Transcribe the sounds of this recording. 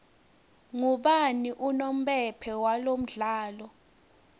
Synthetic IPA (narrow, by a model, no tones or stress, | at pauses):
ŋuɓaniʔunom̩ɓɛpʰɛwalom̩ɮaːlɔ